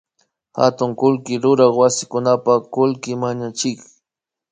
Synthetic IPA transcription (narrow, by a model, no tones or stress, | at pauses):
ha̰t̪ʊŋkʊlkɪɾʊɾɑχwasɪkʊnapakʊlkɪmaɲat͡ʃɪk